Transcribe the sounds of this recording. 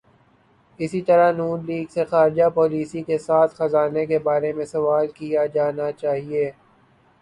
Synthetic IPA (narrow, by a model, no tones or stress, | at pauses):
ɪsit̪ɐɾanuːnliːɡsexaːɾɪd͡ʒapɔːliːsikesaːt̪ʰxɐzaːnekebaːɾemẽsɐʋaːlkijad͡ʒaːnat͡ʃaːɦieː